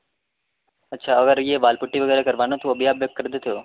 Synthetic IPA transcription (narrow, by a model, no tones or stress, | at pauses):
ətːʃʰaəɡəɾjeʋaːlpuʈːiʋəɡɛːɾekəɾʋanot̪oəbjaːbjəkkːəɾd̪ʱt̪ʰəjo